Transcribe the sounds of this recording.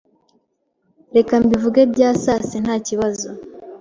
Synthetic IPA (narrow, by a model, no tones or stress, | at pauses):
ɾe̞kambivuɡebɟaːsaːsen̥haːciβazo̞